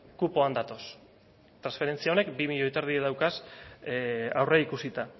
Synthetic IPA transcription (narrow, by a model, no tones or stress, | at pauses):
kupo̞and̪at̪o̞s | t̪ɾansfe̞ɾe̞nt͡siaone̞kbimiʎo̞jt̪aɾðieðawkas | awreikusit̪a